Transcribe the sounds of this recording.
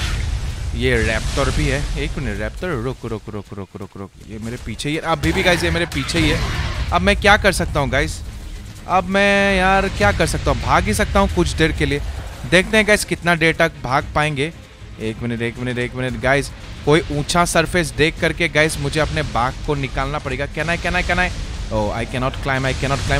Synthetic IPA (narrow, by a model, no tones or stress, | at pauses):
jeɾɛːpt̪ɔɾbʱiɦɛeːkmɪnəʈɾɛːpt̪ɔɾɾʊkɾokɾʊkɾʊkɾʊkɾo̰kjemeːɾepiːt͡ʃʰeiɛʔɐbʱibʱiɡaːɪzjemeːɾepiːt͡ʃʰeiɦɛːɐbmɛ̃kjakɐɾsɐk̚t̪aɦũɡaːɪs | ɐbmɛ̃ːjaːɾkjaːkɐɾsɐk̚t̪aːɦũbʱaːɡbis̬ɐk̚t̪aɦũkʊt͡ʃʰɖeːɽkelied̪eːk̚ʰt̪ẽɦɛ̃ɡaːɪzkɪt̪naɖeːɾʈɐk̚bʱaːɡ̚paːẽːŋɡe | eːkmɪnəʈeːkmɪnəʈeːkmɪnəʈɡaːɪz | koːiʔũːt͡ʃʰasɐɾfʰes̬ɖeːkːɐɾkeɡaːɪzmʊd͡ʒʱeɐpnebaːkkonɪkaːlnapɐɽeːɡakɛnaɦɛkɛɦnaːɛkɛnaɦɛoːa̰ːɪkɛnɔːʈklaːɪ̃maːɪkɛnɔːʈ̚klaːɪ̃m